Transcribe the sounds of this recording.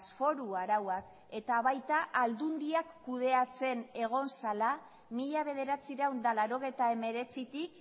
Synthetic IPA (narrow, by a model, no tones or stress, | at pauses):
sfo̞ɾuaɾawak | e̞t̪aβajt̪aʔald̪und̪iakːuð̞e̞at͡se̞ne̞ɣ̞o̞nsala | miʎaβ̞e̞ð̞e̞ɾat͡siɾawnd̪alaɾo̞ɣ̞ejt̪ae̞me̞ɾe̞t͡sit̪ik